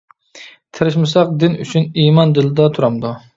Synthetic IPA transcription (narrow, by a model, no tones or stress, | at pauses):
t̪ʰɨɾɪʃmɨsɑq̚d̪ɪny̰t͡ʃʰynimɑnd̪ɪlɪd̪ɑt̪ʰuɾɑmd̪u